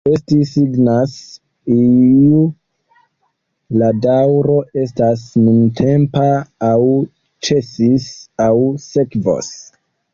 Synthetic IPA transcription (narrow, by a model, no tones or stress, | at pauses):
e̞stisiɡnas | iu | ladawɾo̞ʔe̞stasnuntʰe̞mpaːw | t͡ʃe̞sisawsekvo̰s